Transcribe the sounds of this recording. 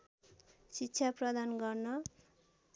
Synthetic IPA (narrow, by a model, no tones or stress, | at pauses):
sitːɕʰjaprʌd̪anɡʌrnʌ